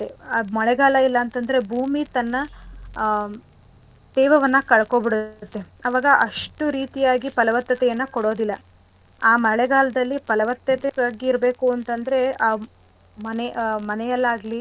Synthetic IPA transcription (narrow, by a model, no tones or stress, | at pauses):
eɐmɐɭɛɡaːlɐilːɐːnt̪ɐnd̪ɐɾe̞bʱuːmit̪ɐnːɐ | d̪ɛːʋɐʋɐnːɐkɐɭɐkoːbiɽut̪ːeɐʋaːɡɐʔɐʂʈuɾiːt̪ijaːɡipɐlɐʋɐt̪ːɐt̪ɛjɐnːɐkoɽoːd̪ilːɐ | aːmɐɭɛɡaːlɐd̪ɐlːipɐlɐʋɐt̪ːɐt̪eaːɡiːɾɐbe̞ːkuɐnt̪ɐnd̪ɐɾe̞aː | mɐnemɐnɛjɐlːaːɡli